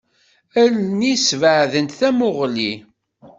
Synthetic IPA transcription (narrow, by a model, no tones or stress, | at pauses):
ælnisvəʕðənt̪θæmʊʁli